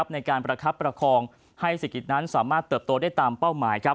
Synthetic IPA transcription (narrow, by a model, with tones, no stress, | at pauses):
p̚na˧jkaː˧npɾa˧kʰa˦˥pːɾa˧kʰɔː˧ŋ | ha˥˩jsa˨˩ki˨˩t̪̚na˦˥nsaː˩˦maː˥˩t̪ːɤː˨˩p̚t̪oː˧daː˥˩jt̪aː˧mpa˥˩wmaː˩˦jkʰa˦˥